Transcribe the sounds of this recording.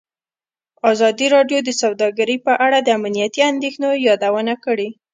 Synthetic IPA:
ɑzɑd̪iɾɑɖjod̪əsawd̪ɑɡaɾipəʔaɽad̪əamnijat̪iand̪exnojɑd̪awənakəɽe

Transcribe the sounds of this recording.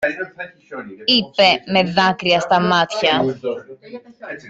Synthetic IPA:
ipe̞me̞ðɐkɾiɐst̪ɐmɐt̪çɐ

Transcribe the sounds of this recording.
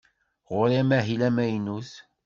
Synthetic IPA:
ʁʊɾæmæɦilæmæjnus

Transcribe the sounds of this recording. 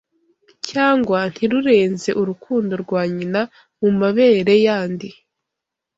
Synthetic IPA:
caːŋɡwan̥hiɾuɾe̞ːnze̞ʔuɾukʰuːndo̞ɾɡwaːɲina | mumaβe̞ːɾe̞jaːndi

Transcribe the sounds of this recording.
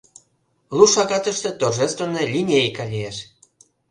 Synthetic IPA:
luʃɑɣɑt̪ə̆ʃt̪ĕt̪oʒest̪və̆nelʲinʲejkɑlʲieʃ

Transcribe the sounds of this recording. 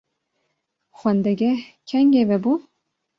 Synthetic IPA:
xwɛnd̪ɛɡʲɛkʰɛŋɡʲevɛbu

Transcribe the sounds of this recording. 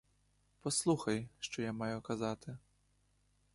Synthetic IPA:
pɔslˠuxɐjʂt̪ɔjamajukazat̪ɨ

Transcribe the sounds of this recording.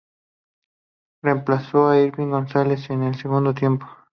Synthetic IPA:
re̞mplaso̞aiɾβiŋɡo̞nsale̞senelse̞ɣund̪ot̪je̞mpo̥

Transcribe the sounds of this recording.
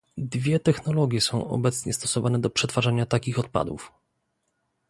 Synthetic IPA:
d̪vʲjɛt̪ɛxnɔlɔɡʲjɛsɔ̃w̃ɔ̰bɛt̪sɲɛst̪ɔsɔvanɛd̪ɔpʂɛt̪faʐaɲat̪akʲixɔt̪̚pa̰d̪ṵf

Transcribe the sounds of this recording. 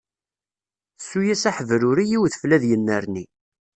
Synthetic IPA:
sːujæsæħəvɾʊɾijiwθəflæðjənːəɾni

